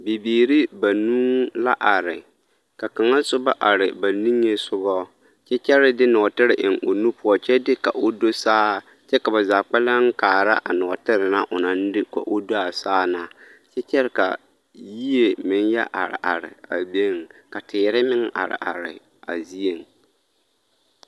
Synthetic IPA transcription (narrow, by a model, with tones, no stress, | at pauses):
bi˨biː˨ɾi˦ba˨nuː˦la˦ʔa˨ɾɪ˨ | ka˨ka˨ŋa˦sʊ˦ba˦ʔa˨ɾɪ˨ba˨ni˦ŋːe˦sʊ˦βɔ˦ | t͡ʃɛ˦t͡ʃɛ˦ɾɪ˦dɪ˦nɔː˨tɪ˦ɾɪ˨ʔɪ˨ŋʔo˨nu˦pʊ˦ɔ˦t͡ʃɛ˦dɪ˦ka˨ʔo˦do˦saː˦ | t͡ʃɛ˦ka˨ba˨zaː˨k͡pɛ˦la˦ŋ˦kaː˨ɾa˦ʔa˨nɔ˨tɪ˦ɾɪ˨na˦ʔʊ˨na˨n˦dɪ˦ka̰˨ʔʊ˦do˦a˨saː˦na˦t͡ʃɛ˦t͡ʃɛ˦ɾɪ˦ka̰˨ | ji˦e˨mɪ˨n˦jɛ̰˦ʔa˨ɾɪ̰˨ʔa̰˨ɾɪ̰˨a̰˨be˦˨ŋ˨ka˨tʰɪ˨˦ɾɪ˦mɪ˦ŋ˦ʔa̰˨ɾɪ̰˨ʔa˨ɾɪ̰˨ | a̰˨zi˦e˨ŋ